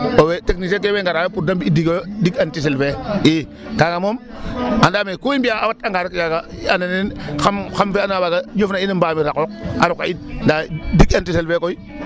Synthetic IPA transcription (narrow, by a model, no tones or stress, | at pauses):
oweteknis̬ek̬eweŋɡaɾawopuɾdambiidiɡojdiɡantis̬elfei | kaɡamom | andaːmekuimbiaawataŋɡaɾukɡaɡaananenxamxamfeanwaɡajofnainambaːmiɾakok̚a̰ɾuka̰itndadikantiselfekoi